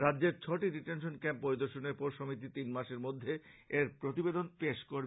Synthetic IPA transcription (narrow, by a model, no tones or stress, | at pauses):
ɾadːd͡ʑeɾt͡ɕʰɔʈiɖiʈenʃonkɛmpːoɾid̪oɾʃoneɾpɔɾʃomit̪̬it̪inmaʃeɾmod̪ʱːeeɾpɾot̪ibed̪onpeʃkoɾ